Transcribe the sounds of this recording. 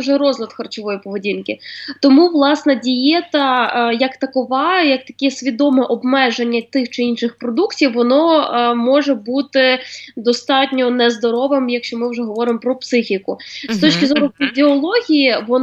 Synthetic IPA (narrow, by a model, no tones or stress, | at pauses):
ʒɛɾɔzlʲɐt̪xɐrt͡ʃɔʋɔjipɔʋedʲinkɪt̪ɔmuʋlˠɑsnɛdʲijɛt̪ɐjɐkt̪ɐkɔʋɑjɐk̚t̪ɐ̥kʲɛsʲʋʲid̪ɔmɛʔɔbmɛʒenʲːɐt̪ɪxt͡ʃɪinʃɪxpɾɔd̪uktʲiwːɔnɔmɔʒɛbut̪ɪd̪ɔst̪ɑtʲnʲɔnɛzd̪ɔɾɔʋɪmjɐkʃt͡ʃɔmɪwʒɛɦɔʋɔɾɪmpɾɔpsɪxʲikʊst̪ɔt͡ʃkʲɪzɔɾʊfʲizʲiɔlˠɔɦʲijiʋɔ